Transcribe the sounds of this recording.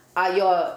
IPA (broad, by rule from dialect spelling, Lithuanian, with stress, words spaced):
ɐ ˈjoː